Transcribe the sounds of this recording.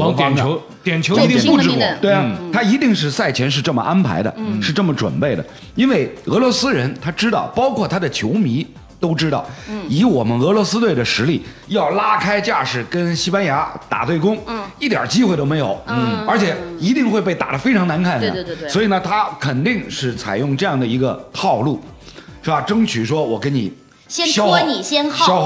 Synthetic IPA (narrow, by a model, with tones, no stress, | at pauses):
n˧˥ | jɛ˨˩nt͡ɕʰo˧˥˧t̪i˥˧ŋpu˥˩ʈ͡ʂɻ̩˥˩t̪we˥˩ɪ˨t̪ʰa˥i˧˥t̪i˥˧ŋʂ̬ɻ̩˥˧sa˥˩ɪt͡ɕʰjɛ˧˥nʂ̬ɻ̩˥˧ʈ͡ʂɤ˥˩mə̰˩ʔa˥npʰa̰˧˥ɪd̪ə̰˧ʂɻ̩˥˧ʈ͡ʂɤ˥˩mə˩ʈ͡ʂwə̰˨˩npe˥˩ɪd̪ə̰˩ | i˥nwe˥˩ɪɤ˧˥lwɔ˧˥sɹ̩˥ɻə˧˥nt̪ʰa˥ʈ͡ʂɻ̩˥t̪ɑ˥˩ʊpɑ˥ʊkʰwɔ˥˩t̪ʰa˥d̪ə˨t͡ɕʰjo˧˥ʊmi˧˥ | t̪o˥ʊʈ͡ʂɻ̩˥t̪ɑ˥˩ʊi˧˥wɔ˨˩mə˦nɤ˧˥lwɔ˧˥sɹ̩˥t̪we˥˩ɪd̪ə˩ʂɻ̩˧˥li˥˩ | jɑ˥˩ʊla˥kʰa˥ɪt͡ɕja˥˩ʂɻ̩˨˩kə˥nɕi˥pa˥nja˧˥t̪a̰˨˩t̪we˥˩ɪkʊ˥ŋi˥˩t̪jɑ̰˨˩t͡ɕi˥xwe˥˩ɪt̪o˥ʊme˧ɪo˨˩˦ʊə˞˧˥t͡ɕʰjɛ˨˩˦i˧˥t̪i˥˧ŋxwe˥˧ɪp̬e˥˩ɪt̪a̰˨˩d̪ə˦fe˥ɪʈ͡ʂʰɑ˧˥ŋna˧˥nkʰa˥˩n̰˧˩˧swɔ˧˥i˨˩nə˧t̪ʰa˥kʰə˨˩nt̪i˥˧ŋʂɻ̩˥˩t͡sʰa̰˨˩ɪjʊ˥˧ŋʈ͡ʂɤ˥˧jɑ˥˩ŋd̪ə˩i˧˥ɡə˧t̪ʰɑ˥˧ʊlu˥˩ʂɻ̩˥˩ba˧ʈ͡ʂɤ˥ŋt͡ɕʰy˨˩ʂwɔ˥wɔ˨˩kə˥nni˨˩˦ | ɕɛ˥ɕjɑ˥n˨˩ɕjɛ˥nɕjɑ˥ʊ